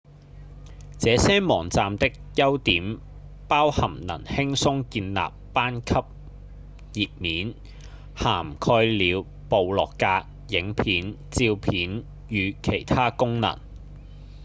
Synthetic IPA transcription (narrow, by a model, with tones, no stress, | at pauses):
t͡sɛː˨˥sɛː˥mɔː˨˩ŋt͡saː˨mt̪ɪ˥k̚jɐ˥wt̪iː˨˥m | paː˥whɐ˨˩mnɐ̰˨˩nhɪ˥ŋsʊ˥ŋkiː˧nla̰ː˨pːaː˥nkʰɐ˥p̚ | jiː˨t̚miː˨˥n | haː˨˩mkʰɔː˧jliː˨˧w | po˨wlɔː˨˩kːaː˧k̚ | jɪ˨˥ŋpʰiː˨˥nt͡siː˧wpʰiː˨˥n | jyː˨˧kʰe˨˩jt̪ʰaː˥kʊ˥ŋnɐ̰˨˩ŋ